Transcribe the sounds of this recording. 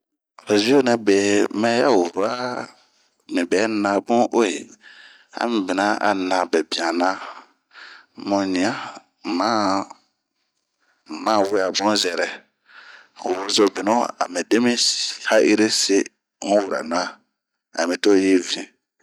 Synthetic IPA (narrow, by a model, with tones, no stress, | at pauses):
o˨zi˦o˦nɛ̃˨be˨mɛ̃˦ja˦wo˨ɾo˨˦a˦ | mĩ˨bɛ˨˦nã˨bũ˦ʔo˦e˨ | a̰˦mĩ˨be˨nã˦a̰˨nã˨bɛ˨bĩ˨ã˨nã˦ | mɔ̃˨nĩ˨a˦˨ | mã˦˨ | mã˦˨we˦˨a˨bɔ̃˦zɛ˨ɾɛ˨ | o˨wo˨zo˨be˨nɔ̃˦a̰˨mĩ˨de˦mĩ˦˨ha˦ʔi˦ɾe˦se˦ | ŋũ˦wu˨ɾa̰˨nã˦ | a̰˨mĩ˨to˦je˦vĩ˦